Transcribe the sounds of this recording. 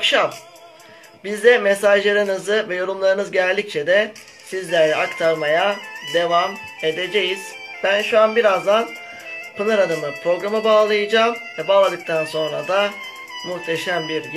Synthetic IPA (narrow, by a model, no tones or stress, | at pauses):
kʃam | bizd̪ɛmesaʒlˠaɾɯnɯzɯvɛjo̞ɾumlˠaɾɯnɯzɟɛɾlʲːic̚t͡ʃʰɛd̪ɛ | sizlʲæɾlʲɛakt̪ʰaɾmajad̪e̞vam | e̞d̪e̞d͡ʒe̞jiz̥ | b̥ænʃuanbiɾazd̪an | pʰɯnɯɾad̪amɯpʰɾo̞ɡɾamabaːlˠajɯd͡ʒaːmvɛbaːlˠad̪ɯk̚t̪ʰanso̞nɾad̪a | muxt̪ʰe̞ʃæmbiɾɟ